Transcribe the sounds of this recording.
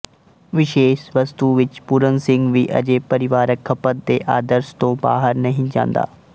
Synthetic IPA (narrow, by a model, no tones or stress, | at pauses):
ʋɪʃeːʃʋəst̪uʋɪt͡ʃpʊɾənsɪ̃ŋɡʋiʔɐ̰d͡ʒeːpəɾɪʋaːɾəkʰːəpət̪̚d̪eːʔaːd̪əɾst̪õːba̰ːɦəɾnɐɦĩd͡ʒã̰ːnd̪a̰ː